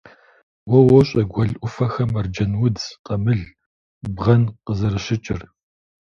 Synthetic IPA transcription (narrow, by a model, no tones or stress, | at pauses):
wɔwɔɕʼɐɡʷɐɮʔʷʊfɐxɐmɐrd͡ʒɐnwʊdqɐmɨɮ | bʁɐnqəzɐɾɨɕɪt͡ʃʼɪr